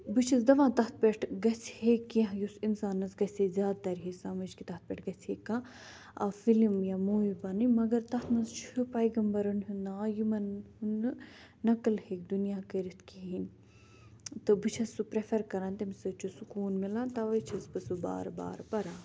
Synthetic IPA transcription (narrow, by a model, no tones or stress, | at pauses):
bɨt͡ʃʰisd̪ɐʋãːt̪ɐɦt̪̚peʈʰɡɐsʰheːkːĩɦjusinsaːnɐsɡɐsʲezʲjaːd̪̚t̪ɐɾɦisaːmɐd͡ʒkit̪ɐht̪̚peʈʰɡɐt͡sheːkːãː | ɐfilmjamuːibɐnimɐɡɐɾt̪ɐt̪ʰnɐzt͡ʃʰɨpɐjɡɐmbɐɾɐnɦund̪ãjimɐn | unː | ɐkɨlheːk̚d̪unjaːkɐɾit̪ʰkiɦinʲ | t̪ɨbɨt͡ʃʰɐsːupɾefʰɐɾkɐɾãːnt̪imsɨt͡ʃʰusukuːnmilãːnt̪ɐʋɐt͡ʃʰɐsbɨsuba̰ːɾba̰ːɾpɐɾãːn